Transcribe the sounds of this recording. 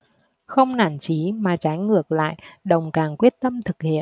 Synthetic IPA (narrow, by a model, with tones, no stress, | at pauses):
xə˧wŋ͡mna̰ː˧˩nt͡ɕi˨˦maː˨˩t͡ɕa˨˦jŋɨ˨˩ək̚la̰ː˧˨jɗə˨˩wŋ͡mkaː˨˩ŋkwi˦˥ət̚t̪ə˧mt̪ʰɨ˨˩k̚hḭ˧˨ən